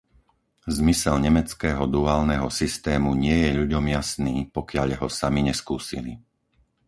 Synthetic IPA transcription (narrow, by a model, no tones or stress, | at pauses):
zmisɛlɲɛmɛt͡skɛːɦɔd̪uaːlnɛɦɔsist̪ɛːmuɲɪɛjɛʎuɟɔmjasniːpɔkɪaʎɦɔsamiɲɛskuːsḭli